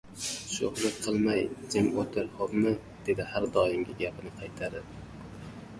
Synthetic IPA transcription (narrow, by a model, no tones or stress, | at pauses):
ʃohlɪqʰɨlˠmajd̪ɪmot̪ʰɪɾhopmɪ | d̪̥e̞d̪ɪhaɾd̪ɒjɪmɡʲɪɡʲapʰɪnɪqʰɑjt̪ʰaɾɪ